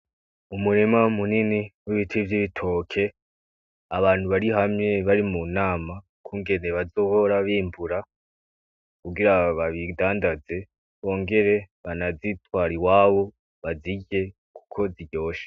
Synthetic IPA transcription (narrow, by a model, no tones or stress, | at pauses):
umuɾemamuniniwiβitʰivjiβitʰo̞ːkʰe̞ | aβaːn̥huβaɾiɦamɲe̞βaɾimunaːma | kʰuːŋɡe̞neβazo̞ho̞ɾaβiːmbuɾa | kuɡiɾaβaβidaːndaze̞ | βo̞ːŋɡe̞ɾe̞ | βanazitwaːɾiwaːβo̞ | βaziɟe̞ | ku̥kʰo̞ziɟo̞ːʃe̥